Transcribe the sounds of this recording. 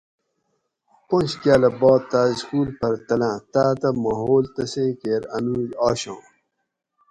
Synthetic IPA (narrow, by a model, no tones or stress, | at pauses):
põnɕkjaːlɐbɑːt̪ːaːskuːlpɐɾt̪ɐlãːt̪aːt̪ɐmɐɦoːlt̪ɐsẽːkeːɾɐnuːjɑːɕõː